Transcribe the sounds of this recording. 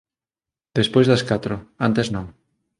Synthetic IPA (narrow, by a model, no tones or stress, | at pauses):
d̪espojzðɐskat̪ɾʊant̪eznõŋ